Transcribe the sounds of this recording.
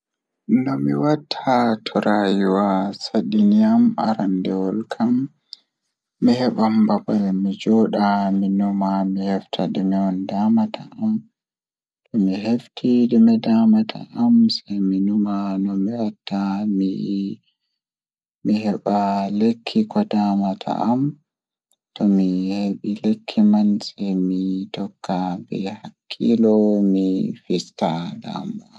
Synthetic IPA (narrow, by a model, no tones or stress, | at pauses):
nɔmiwatʰːatʰɔɾajiwasaɗiniama̰ɾandɛwɔlkʰam | ihɛɓambabalɛmid͡ʒɔɗaminumamihɛftʰaɗimɛwɔndamatʰa̰am | tɔmiɦeftʰiɗimɛdamatʰa̰ʔamsajminumanɔmiwatʰːami | mihɛɓalekʰːikɔdamatʰa̰ʔam | tɔmiheɓilekʰːimansajmitɔkʰːabɛ̰hakʰːilɔmifistada̰mba